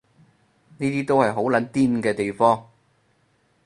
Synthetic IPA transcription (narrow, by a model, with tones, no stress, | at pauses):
niː˥t̪iː˥t̪o˥whɐ˨jɦo˨˥wlɐ˨˥nt̪iː˥nkɛː˧t̪e˨jfɔː˥ŋ